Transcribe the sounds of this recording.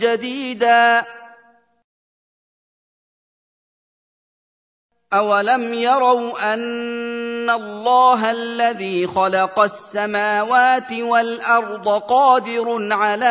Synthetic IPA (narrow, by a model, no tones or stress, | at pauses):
d͡ʒad̪iːd̪aː | ʔawalamjɑɾˤɑwʔanː | alˤːɑːɦalːaðiːxɑlɑqɑsːamaːwaːt̪ɪwalʔɑɾˤd̪ˤɑqɑːd̪ɪɾʕalaː